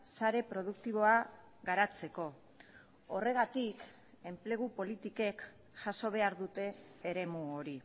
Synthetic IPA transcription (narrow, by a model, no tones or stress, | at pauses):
saɾe̞pɾo̞ð̞ukt̪iβ̞o̞a | ɣaɾat͡se̞ko̞ | ore̞ɣ̞at̪ik | e̞mple̞ɣ̞upo̞lit̪ike̞k | ʝaso̞β̞e̞aɾðut̪e̞ːɾe̞muoɾi